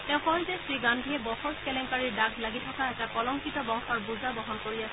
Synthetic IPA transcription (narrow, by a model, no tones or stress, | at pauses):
tɛ̃ʊ̃xɔɔjzɛsɹiɡandʱiɛbɔxɔɹskɛlɛŋkaɹiɹdaɡʱlaɡitʰɔkaɛtakɔlɔŋkitɔbɔŋxaɹbuzabɔɦɔnkoɹias